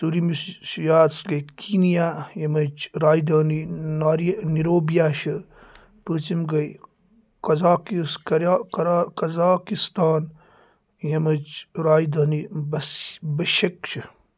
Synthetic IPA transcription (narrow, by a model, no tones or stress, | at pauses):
suːɾimisjaːd̪sɡɐjkʰiːnijaːjɐmɐt͡ʃɾaːid̪aːninaːɾiniɾoːbijaːʃɨ | pɨːt͡simɡɐj | kɐzaːkiskɾakɾkɐzaːkist̪aːn | jɐmɐt͡ʃɾaːjd̪ɐːnibɐsbɐʃɐkt͡ʃʰɨ